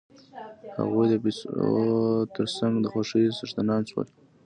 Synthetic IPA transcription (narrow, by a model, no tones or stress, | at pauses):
ha̰ɣujd̪əbi | t̪əɾsaŋɡd̪əxaʂijsəʐt̪anɑnswə̰l